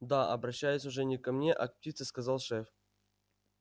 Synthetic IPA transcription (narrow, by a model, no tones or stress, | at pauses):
d̪aʔɐ̰bɾɐɕːæjɪsʲʊʐɛnʲɪkamnʲeʔa̰k̚p̚tʲit̪sɨskazɑlˠʂɛf